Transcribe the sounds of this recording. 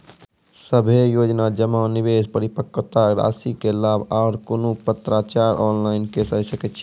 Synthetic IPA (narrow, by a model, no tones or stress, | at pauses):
səbʱejod͡ʒnad͡ʒəmanibespəɾipəkːt̪aɾa̰sikelabʱaːɾkonopət̪ɾat͡ʃaɾʔɔnlaɪnkesəjsəkɛt͡ʃʰi